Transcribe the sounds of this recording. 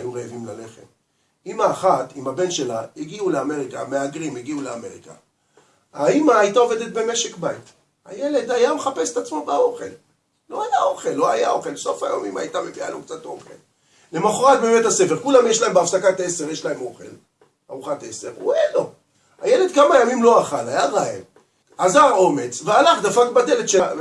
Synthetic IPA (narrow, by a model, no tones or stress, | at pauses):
ajuʁeevimlale̞χe̞̰m | imaːχatimabe̞nʃe̞laiɡiuleame̞ʁika̰meaɡʁimiɡiuleame̞ʁika̰ | aimaːjitaove̞d̪et̪̚be̞me̞ʃe̞kbajt | a̰jele̞d̪ajameχape̞se̥t̪at͡smo̞bao̞χe̞l | lo̞ajaoχelːo̞ajao̞χe̞lso̞fa̰jo̰mima̰jtamepia̰lukt͡sato̞̰χḛl | lemaχoʁat̚beːmetase̞feʁkulamjeʃlaembeafsakatese̞ʁjeʃlaemo̞χe̞̰l | aʁuχate̞se̞ʁṵelo | ajele̞d̪kamajamimlo̞aχalajaʁae | azaʁo̞me̞t͡svealaχd̪afakbad̪eledʃe